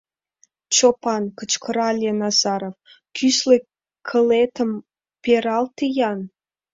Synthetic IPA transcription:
t͡ɕopɑnkət͡ɕkəɾɑlʲenɑzɑɾof | kʰyslĕ | kʰə̆let̪ə̆m | peɾɑlt̪ijɑn

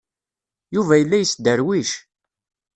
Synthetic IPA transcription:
juvæjəlːæjəsd̪əɾwiʃ

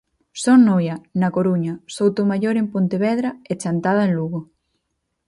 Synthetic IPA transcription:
soŋnojɐnakoɾuɲɐsowt̪omaʎoɾempont̪eβɛðɾɐet͡ʃant̪að̞aenluɣo

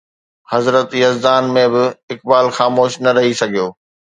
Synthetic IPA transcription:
hɐzɾət̪jɐzd̪aːnmẽbɪɪk̚baːlxaːmoːʃnɐɾɐɦisɐɡʱijoː

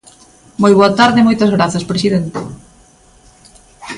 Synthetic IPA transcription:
mojβoat̪aɾðemojt̪ɐzɣɾaθɐspɾesiðent̪e

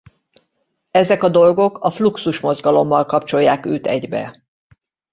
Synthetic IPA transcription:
ɛzɛkɒd̪o̞lɡo̞kʰɒfluksuʃmo̞zɡɒlo̞mːɒlkɒp̚t͡ʃo̞jːaːkøːt̪ɛɟbɛ̰

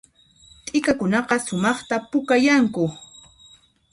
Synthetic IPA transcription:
t̪ʼɪkakʊnɑqɑsʊmɑχt̪apʊkajaŋkʊ

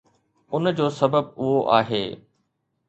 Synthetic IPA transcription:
ʊnd͡ʑoːsɐbəb̚ʊɦoʔa̰ːɦeː

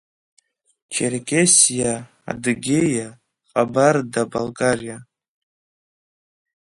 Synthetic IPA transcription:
t͡ʃʰerkʲʼesija | a̰dɨɡʲeja | qʼabardabalɡʼarija

